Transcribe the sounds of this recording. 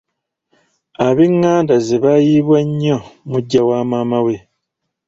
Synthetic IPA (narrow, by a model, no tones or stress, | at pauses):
aβiŋːaːndazeβajiːβwaɲːomuɟːawaːmamawe